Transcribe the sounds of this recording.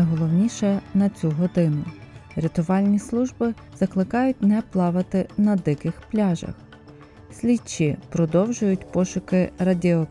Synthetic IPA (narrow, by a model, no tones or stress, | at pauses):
jɦɔlˠɔwnʲiʃɛnɐt͡sʲuɦɔd̪ɪnʊɾʲet̪ʊʋɑlʲnʲislˠuʒbɪ | z̥ɐklˠɪkɑjʊt̚ʲnɛplˠɑʋɪt̪ɪnɐd̪ɪkɪxplʲɑʒɐ̰x | sʲlʲit͡ʃːipɾɔd̪ɔwʒʊjʊtʲpɔʃʊkɪɾɐdʲiɔ